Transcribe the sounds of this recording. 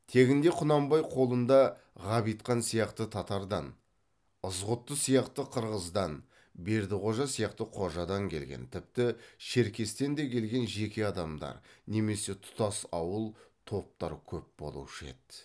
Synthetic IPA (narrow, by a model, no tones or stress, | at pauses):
t̪ʰe̞ɡʲɪnd̪e̞qʰʊnɑmbɑjqʰo̞lˠənd̪ɑ | ʁɑβijt̪qɑnsijɑqt̪ət̪ʰɑt̪ɑɾd̪ɑn | əzʁʊt̪ːəsijɑqt̪əqʰəɾʁəzd̪ɑn | be̞ɾd̪ɪqʰo̞ʒɑsijɑqt̪əqʰo̞ʒɑd̪ɑŋkʲʰe̞lɡʲḛnt̪ʰɪp̚t̪ɪʃe̞ɾkʲe̞st̪e̞nd̪e̞kʲʰe̞lɡʲe̞nʒe̞kʲe̞ɑd̪ɑmd̪ɑ̰ɾne̞me̞se̞t̪ʰʊ̥t̪ɑsɑwəlˠt̪ʰo̞p̚t̪ɑɾkʲʰɵp̚bo̞̰lˠṵʃḛt̪